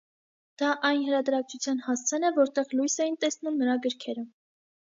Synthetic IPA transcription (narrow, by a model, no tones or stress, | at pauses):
d̪̥ɑʔɑjnɦəɾɑd̪ɾɑk̚t͡sʰut͡sʰjɑnhɑst͡sʰɛnɛvɔɾt̪ɛʁlujsɛjint̪ɛsnumnəɾɑɡəɾkʰɛɾə